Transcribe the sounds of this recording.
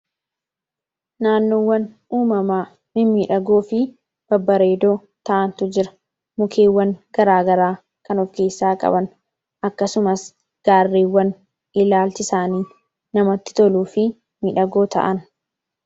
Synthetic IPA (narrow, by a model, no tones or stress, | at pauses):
naːnːoːwːɐn | uːmɐmaː | mɪnmiːᶑɐɡo̞ːfɪ | b̥ɐbːɐɾe̞ːd̪oː | t̪ɐʔɐnt̪ʊd͡ʒɪɾɐ̥ | mʊkʰeːwːɐnɡ̥ɐɾaːɡɐɾaː | kɐnɔfke̞ːsːaːkʼɐ̰bɐn | ʔɐkːɐsʊmɐs | ɡ̥aːrːiːwːɐn | ɪlaːlt͡ʃɪsaːniː | nɐmɐt̪ːɪ̥t̪ɔluːfɪ | miːᶑɐɡo̞ːt̪ʰɐ̰ʔɐn